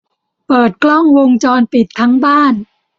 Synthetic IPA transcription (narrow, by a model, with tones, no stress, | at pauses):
pɤː˨˩t̪̚klɔ˥˩ŋwo˧ŋt͡ɕɔː˧npi˨˩t̪ʰːa˦˥ŋbaː˥˩n